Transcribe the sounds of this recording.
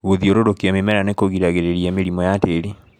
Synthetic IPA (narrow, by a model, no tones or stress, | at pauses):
oðioɾoɾokiamemɛɾanekoɣiɾaɣeɾeɾiɛmeɾimɔjateɾi